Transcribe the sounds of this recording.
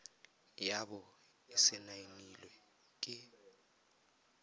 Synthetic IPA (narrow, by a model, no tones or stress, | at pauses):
jaɓɔ | ɪsɛnajinilwɛ | kʼɪ